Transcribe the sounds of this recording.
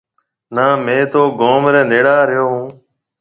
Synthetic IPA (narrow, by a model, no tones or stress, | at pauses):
naːmẽːt̪oːɡoːmɾẽːneːɽaːɾɪjoːɦũː